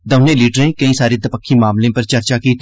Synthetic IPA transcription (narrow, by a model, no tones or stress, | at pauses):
d̪əʊnẽːliːɖɾẽːkəĩːsaːɾeːd̪əpəkʰːiːmaːmlẽːpəɾt͡ʃəɾt͡ʃaːkiːt̪